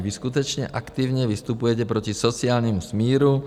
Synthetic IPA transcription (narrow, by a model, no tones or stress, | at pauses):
ʋiskut̪̬ɛt͡ʃɲɛ̰ʔakt̪iːʊɲɛʋist̪upujɛcɛpɾɔcisɔt͡siaːlɲɛmusmiːɾu